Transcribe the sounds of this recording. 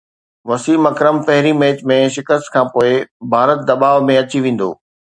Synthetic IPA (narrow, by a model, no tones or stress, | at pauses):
ʋɐsiːmɐkɾəmpɐɦɪɾimeːt͡ɕmẽʃɪkəst̪kʰãːpoːɪbʱaːɾət̪̚d̪ɐɓaːʋmẽɐt͡ɕiʋẽːn̆d̪o̰ː